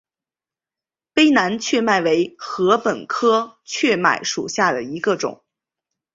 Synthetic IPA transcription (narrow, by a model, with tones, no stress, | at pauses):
pe˥ɪna˧˥nt͡ɕʰɥɛ˥˧ma˥˩ɪwe˧˥ɪxɤ˧˥pə˨˩nkʰɤ˥t͡ɕʰɥɛ˥˩ma̰˨˩ɪʂu˨˩ɕja˥˩d̪ə˩i˧˥ɡə˧ʈ͡ʂʊ̰˨˩˦ŋ